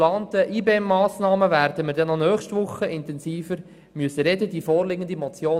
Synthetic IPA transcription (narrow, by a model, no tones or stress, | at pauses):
lɑːnt̪əʔiːbeːɛmːɑːsnɑːməvæːɾrdəməɾdɛnɔnœːχʃtʋʊχːəʔɪnt̪ɛnsiːfəɾ | myəsəɾɛdədifoːɾlɪɡənd̪imɔt͡sjoː